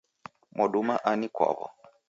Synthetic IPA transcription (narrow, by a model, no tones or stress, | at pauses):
mʔɔɗumaʔanikwa̰βɔ̰